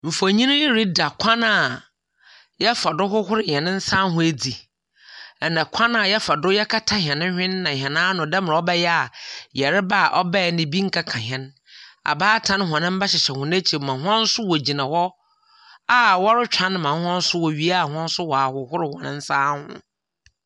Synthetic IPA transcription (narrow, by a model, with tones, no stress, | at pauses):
m̩˨fo˨ɲĩ˦nʊ̃˦jɪ˦ɾi˦da˨kʰã˦na˨ | jɛ˦fa˨dʊ˦ɦʊ˦hʊ˦ɾɪ˨ɲ˨ɛ̃˨nɪ̃˦n̩˦sãː˦ɦʊ̃˦e˦d͡zi˨ | ɛ˨nã˨kʷʰã˦na˨jɛ˦fa˨dʊ˦jɛ˦kʰa˦tʰa˦ɦɛ̃˨nɪ̃˦hᶣɪ̃˦nːã˨ɦɛ̃˨nãː˦nʊ̃˨dɛ˦mɪ̃˨ɾa˨ɔ˦bɛ˦jɛ˦a˨jɛ˨ɾɪ˦ba˦˨ʔɔ˦bɛ˦˨nɪ̃˨bi˦ŋ̩˦kʰa˦kʰã˨ɦɛ̃˦n | a̰˨baː˦tʰã˦n˦ɦɔ̃˨nɪ̃˦m̩˦bɛ˦ɕɪ˨ɕɛ˨hʊ̃˨ne˦t͡ɕʰi˨mã˨ɦʊ˦ã˦n̩˦sʊ˦wɔ˨d͡ʑi˨nã˨hɔ˦ | a˨wɔ˦ɾɪ˦t͡ɕᶣʰã˦n˦mã˨˦hã˦n̩˦sʊ˦wɔ˨ɥi˦a˦˨hã˦n̩˦sʊ˦wɔ˨a˨hʊ˨hʊ˦ɾɪ˨hɔ̃˨nɪ̃˦n̩˦sãː˦hʊ̰̃˦